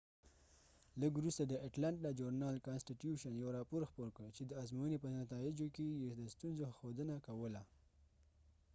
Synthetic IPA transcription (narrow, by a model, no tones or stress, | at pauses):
ləɡwɾust̪ad̪əaʈlaɳʈad͡ʒoɾnɑlkɑnsʈiʈjuʃanjawɾɑpoɾxpoɾkəɽt͡ʃed̪əɑzmojənepənat̪ɑɪd͡ʒokejed̪əst̪unzoxod̪ənakawəla